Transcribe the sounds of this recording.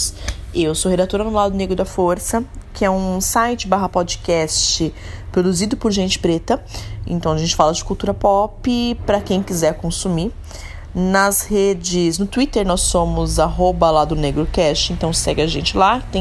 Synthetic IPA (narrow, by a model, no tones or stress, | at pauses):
ewsohed̪at̪oɾɐnʊlad̪ʊneɡɾʊd̪ɐfoɾsɐkʰɪɛũsajt͡ʃɪbaɦɐpɔd͡ʒɪkɛst͡ʃɪ | pɾod̪uzid̪ʊpʊɾʒẽnt͡ʃɪ̥pɾet̪ɐḛ̃t̪ɐ̃w̃ɐʒẽnt͡ʃɪ̥falɐd͡ʒɪkuwt̪uɾɐpɔpɪpɾɐkẽj̃kizɛɾkõsumiɾ | nɐzhed͡ʒɪznʊt̪uit̪eɾnɔsːõmʊzaɦobɐlad̪ʊneɡɾʊkɛst͡ʃɪẽnt̪ɐ̃w̃sɛɡɪɐʒẽnt͡ʃɪlat̪ẽ